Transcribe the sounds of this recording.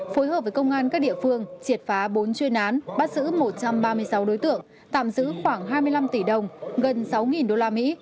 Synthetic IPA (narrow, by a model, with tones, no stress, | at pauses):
fo˨˦jɦəː˨˩p̚və˨˦jkə˧wŋ͡mʔaː˧nkaː˦˥k̚ɗḭ˧˨əfɨ˧əŋt͡ɕi˨˩ət̚faː˨˦ɓo˨˦nt͡ɕwi˧ənʔaː˨˦nɓaː˦˥t̚zɨ̰˧˥mo˨˩t̚t͡ɕa˧mɓaː˧mɨ˧əjsa˨˦wɗo˨˦jt̪ɨ̰˧˨əŋ | t̪a̰ː˧˨mzɨ̰˧˥xwaː˧˩ŋɦaː˧jmɨ˧əjla˧mt̪i˧˩ɗə˨˩wŋ͡mɣə˨˩nsa˨˦wŋi˨˩nɗo˧laː˧mḭ˧˥